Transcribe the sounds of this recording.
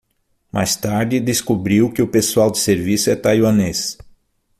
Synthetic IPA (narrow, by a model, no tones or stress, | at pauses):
mʔa̰jst̪aɾd͡ʒ̪ɪd̪eskobɾiwkɪʊpesuawd̪ɪseɾvisʊɛt̪ajwɐ̃nes